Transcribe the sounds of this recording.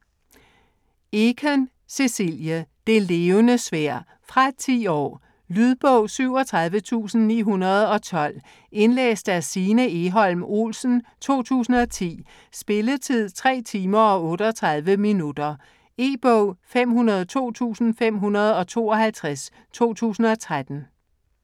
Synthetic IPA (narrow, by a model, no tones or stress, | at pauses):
ekʰen | se̝siljəd̥e̝le̝ːʊnəsʋæɐ̰ | fʁɑ̈t͡sʰḭːɒ̰ː | lyðˠb̥ɔʊ̰syʊ̰ɒ̽t͡sʰʁɑ̈ðˠʋət͡sʰṵːsn̩nḭːɦunɐð̞̩ˠɒ̽t͡sʰɒ̽l̰ | e̝nlḛːsd̥æsiːnəe̝ɦɒ̽l̰mo̝̰ːlsn̩t͡sʰo̝̰ːt͡sʰṵːsn̩ɒ̽t͡sʰḭː | sb̥e̝lət͡sʰið̰ˠt͡sʰʁɛ̰ːt͡sʰiːmɐɒ̽ɔ̽ːɾəɒt͡sʰʁɑð̞ˠʋəminud̥ɐ | e̝ːb̥ɔʊ̰fem̰ɦunɐð̞ˠt͡sʰo̝̰ːt͡sʰṵːsn̩fem̰ɦunɐð̞ˠɒ̽t͡sʰo̝̰ːɒ̽hælt͡sʰʁas | t͡sʰo̝̰ːt͡sʰṵːsn̩ɒ̽t͡sʰʁad̥n̩